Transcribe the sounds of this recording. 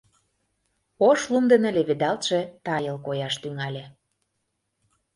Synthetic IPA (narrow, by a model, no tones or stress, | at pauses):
oʃlumd̪ə̆nə̆lʲeβed̪ɑlt̪ʃĕt̪ɑjə̆lˠkojɑʃt̪yŋɑlʲĕ